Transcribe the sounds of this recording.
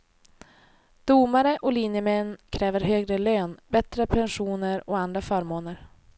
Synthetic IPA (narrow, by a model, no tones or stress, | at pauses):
d̪̥umaɾəʔɔliːnjəmɛnːkʰɾɛːvəɾɦøːɡɾəløːnbɛt̪ɾəpʰɛnɧuːnəɾɔand̪ɾafœːɾmoːnəɾ